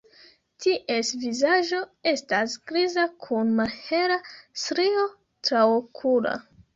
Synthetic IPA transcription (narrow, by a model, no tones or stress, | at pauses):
tʰiʔe̞svizaʒo̞e̞stasɡɾizakʰunmalhe̞ɾasɾio̞ | tɾawkʰuɾa̰